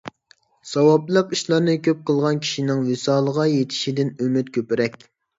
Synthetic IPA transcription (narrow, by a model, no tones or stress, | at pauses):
sɑwɑplˠəqiʃlˠɑɾnɨkʲʰøp̚qʰəlˠʁɑnkʲʰi̥ʃinɪŋwɪsɑːlˠəʁɑjet̪ʰɪ̥ʃid̪ɪnymyt̪̚kʲʰøpɪɾɛkʲ